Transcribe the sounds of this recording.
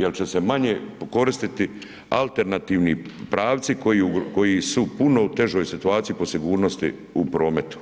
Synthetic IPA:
jelt͡ɕe̞se̞maɲeko̞ɾist̪it̪i | alˠt̪e̞ɾnat̪iːʋnipɾaːʋt̪sikojiuko̞jisupunout̪e̞ʒo̞ːjsit̪uaːt̪sijipo̞siɡuːɾnost̪ḭ | upɾo̞ːme̞t̪u̥

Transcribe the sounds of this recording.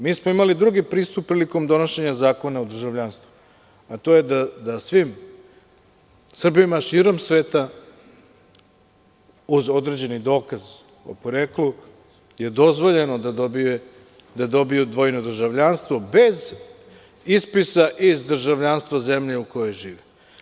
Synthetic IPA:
miːsmoimalid̪ɾuɡipɾiːst̪up̚pːɾiːliko̞md̪o̞no̞ʃe̞ɲazaːko̞naod̪r̩ʒaʋʎaːnst̪vu | at̪o̞ːjed̪ad̪asʋim | sr̩bimaʃiːɾo̞msʋe̞ːt̪a | uzo̞d̪ɾe̞d͡ʑe̞nid̪o̞ːkaz | o̰poɾeːklu | je̞d̪o̞zʋo̞ʎe̞nod̪ad̪obie | d̪ad̪o̞bijud̪ʋo̞jnod̪r̩ʒaʋʎanst̪ʋo̞be̞z | ispisaʔizd̪r̩ʒaʋʎaːnst̪vazemʎeuko̞jo̞jʒiːʋe

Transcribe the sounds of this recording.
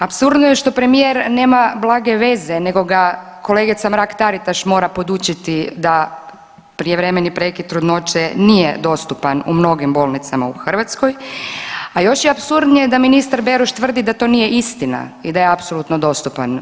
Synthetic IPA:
apsuɾd̪nojeʃt̪o̞pɾe̞mijeɾne̞ːmablˠaːɡe̞ʋe̞zene̞ɡo̞ɡa | ko̞le̞ɡit̪samɾakt̪aɾit̪aʃmo̞ːɾapo̞d̪ut͡ʃit̪id̪a | pɾijeʋɾemenipɾe̞kit̪ɾud̪no̞t͡ʃenijḛd̪o̞st̪upanumno̞ɡimbo̞ːlˠnit̪sama̰uxr̩ʋat̪sko̞j | ajo̞ʃjeapsuɾd̪nijed̪aminist̪aɾbe̞ɾuʃt̪ʋr̩d̪id̪at̪o̞ːnije̞ʔist̪ina̰id̪ajeapso̞lˠut̪nod̪o̞st̪upan

